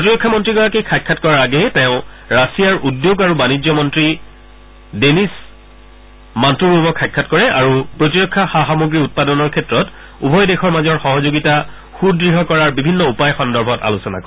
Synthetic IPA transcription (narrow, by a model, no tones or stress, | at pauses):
pɹotiɹɔkʰːamɔntɹiɡɔɹakejkʰajkʰːatkɔɹaɹaɡɛtɛʊ̃ | ɹasijaɹʔudjoɡaɹubanid͡ʒɔmɔntɹi | denis | mantuɹubɔkʰːajkʰːatkɔɹɛaɹupɹotiɹɔkʰːaxaxamoɡɹiut̚padɔnɔɹkʰɛtɹɔt | ubʱɔjdexɔɹmazɔɹxɔɦɔzoɡita | xudɹiɦɔkɔɹaɹbibʱinːɔupajxɔndɔɹbʱɔta̰lusɔna̰kɔ